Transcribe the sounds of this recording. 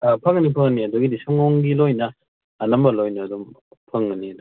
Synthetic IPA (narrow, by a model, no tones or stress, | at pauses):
apʰɐŋɐnipʰɐŋɐniɐduɡidisɔŋɔŋɡilojnɐː | nɐmbɐlojnɐɐdum | pʰɐŋɐniɐd